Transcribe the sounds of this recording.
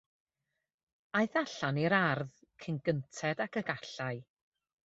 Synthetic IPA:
ajθaɬaniɾarð | kʰənɡəntʰɛdakʰəɡaɬaɨ

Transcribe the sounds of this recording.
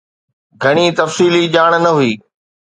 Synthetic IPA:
ɡʱɐɽ̃it̪ɐfsiːliʄaːɽ̃nɐɦʊiː

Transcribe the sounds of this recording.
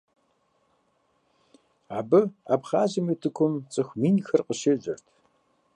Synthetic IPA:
aːbɨa̰ːbχaːʑɪmiːtʰɨkʷʰʊmt͡sʼɨxʷmiːnxɐrqəʃeʑʼɐrtʰ

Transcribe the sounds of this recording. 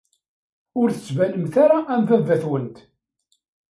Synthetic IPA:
ʊɾθə̥t͡sːvæləmθaɾaʔːmθævæθwənt̪

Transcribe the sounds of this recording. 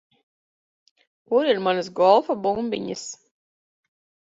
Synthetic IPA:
kuɾiɾmanɨs̬ɡɔlˠfabumbʲḭɲɨs

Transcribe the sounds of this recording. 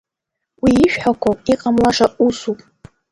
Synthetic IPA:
wiːʃᶣħakʷʰopʼiqʼamlaʂausupʼ

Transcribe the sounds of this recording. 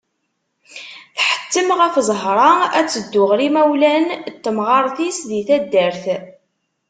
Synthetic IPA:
θħə̥t̪ːəmʁəfzˤɦɾˤɑæ̰t͡sːəd̪ːʊʁɾimæwlænt̪ːəmʁɑɾˤθisðiθæd̪ːəɾθ

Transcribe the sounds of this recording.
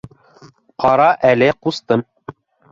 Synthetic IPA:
qɑɾɑʔælɘqust̪ɤm

